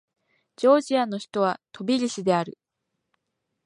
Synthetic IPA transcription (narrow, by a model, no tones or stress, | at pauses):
d͡ʑo̞ːʑiano̞çi̥t̪o̞βat̪o̞bʲiɾʲiɕid̪e̞aɾɯ̟